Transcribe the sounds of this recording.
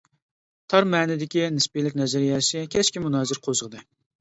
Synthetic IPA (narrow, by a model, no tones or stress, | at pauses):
t̪ʰɑɾmɛːnɪd̪ɪkʲinɪspilɪkʲnɛzɛɾjɛsɪkʲʰɛt͡ʃkʲimunɑːzɪɾqʰozəʁəd̪ɨ